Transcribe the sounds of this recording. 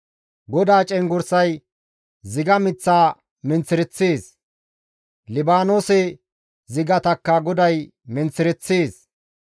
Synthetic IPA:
ɡɔd̪aːt͡ʃʼɛŋɡʊɾsɐj | zɪɡɐmɪt͡sːaː | mɪnt͡sːɪɾɛt͡sːeːs | lɪbaːnoːsɛ | zɪɡɐt̪ɐkːɐɡɔd̪ɐj | mɪnt͡sːɪɾɛt͡sːeːs

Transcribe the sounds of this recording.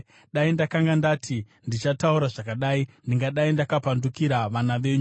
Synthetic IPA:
ɗaindakaŋɡandatʰi | ndit͡ʃatauɾaʐakaɗaːindiŋɡaɗaindakapandukiɾaʋanaʋe̞ɲu

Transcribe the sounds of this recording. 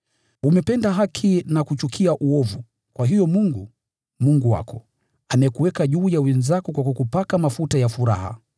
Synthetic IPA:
umɛpɛndaɦakʰinakut͡ʃukʰiaʔuɔvu | kwʔaɦijɔmuŋɡu | muŋɡuwa̰kɔ̥ | anaɛkuwɛkaʄuːjawɛnzakɔkwakɔkupakamafutajafuɾa̰ha̰

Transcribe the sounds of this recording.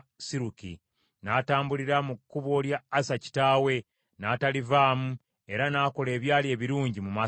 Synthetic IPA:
siɾukḭ | naːtaːmbuliɾamukːuβo̞ljaːsaci̥taːwe̞ | natalivaːmu | e̞ɾanaːko̞le̞ːβjaːlie̞ːβiɾuːɲɟimuma

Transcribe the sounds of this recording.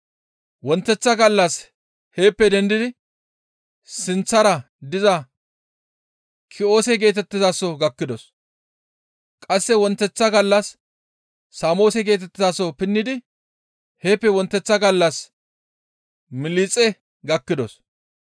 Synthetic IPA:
wɔnt̪ːɛt͡sːɐɡɐlːɐs | he̞ːpːɛd̪ɛnd̪ɪd̪ɪ | sɪnt͡sːɐɾɐ | d̪ɪzɐ | kʰɪo̞ːsɛɡe̞ːt̪ɛt̪ːɪzaːsɔɡɐkːɪd̪ɔs | kʼɐsːɛwɔnt̪ːɛt͡sːɐɡɐlːɐsː | aːmo̞ːsɛɡe̞ːt̪ɛt̪ːɪzaːsɔpɪnːɪd̪ɪ | heːpːɛwɔnt̪ːɛt͡sːɐɡɐlːɐs | mɪliːt͡sʼɛ | ɡɐkːɪd̪ɔs

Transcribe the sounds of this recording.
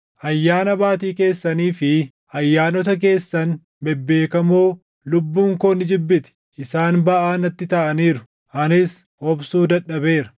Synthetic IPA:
ʔɐjːaːnɐbaːt̪iːke̞ːsːɐniːfɪ | ɐjːaːnɔt̪ɐk̬e̞ːsːɐn | mɛbːe̞ːkɐmoː | lʊbːuːŋkoːnɪd͡ʒɪbːɪt̪ɛ̥ | ɪsaːnbɐʔaːnɐt̪ːɪt̪ɐʔɐniːɾʊ | ʔɐnɪs | ɔbsuːd̪ɐᶑːɐbe̞ːɾɐ̥

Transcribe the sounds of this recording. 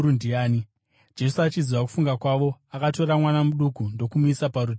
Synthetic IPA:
undiaːni | d͡ʒe̞suat͡ʃiziʋaku̥fuŋɡakwaʋo̞akato̞ɾamwanamuɗukundo̞kumuisapaɾu

